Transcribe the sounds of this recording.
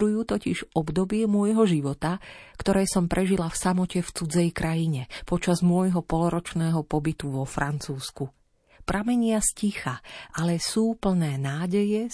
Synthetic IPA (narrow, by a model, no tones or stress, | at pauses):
ɾujuːt̪ɔciʒɔbd̪ɔbɪɛmʊɔjɦɔʒiʋɔt̪akt̪ɔɾɛjsɔmpɾʔɛʒilafsamɔcɛft͡sud͡zɛjkɾʔajiɲɛpɔt͡ʃazmʊɔjɦɔpɔlɔɾɔt͡ʃnɛːɦɔpɔbit̪uʋɔfɾant͡suːsku | pɾʔamɛɲɪascixaʔalɛsuːpl̩nɛːnaːɟɛjɛ